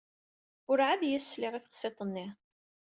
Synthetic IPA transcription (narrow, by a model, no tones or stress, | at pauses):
ʊɾʕaðjæsːlɪʁiθəqsˤet̪ˤənːɪ